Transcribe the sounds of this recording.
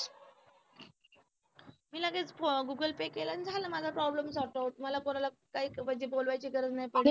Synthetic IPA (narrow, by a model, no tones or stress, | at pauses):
miːlaɡet͡sɡuɡəlpekelanid͡zʱaləmad͡zʱapɾɔbləmsɔʈawʈməlakoɾala | kaiːkʋəd͡ʑebolʋajt͡ɕiːkəɾət͡snajpəɽe